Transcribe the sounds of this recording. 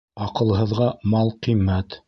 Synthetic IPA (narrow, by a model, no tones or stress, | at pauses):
ɑqɤ̆lˠɦɤ̆ðʁɑmɑlˠqimːæt̪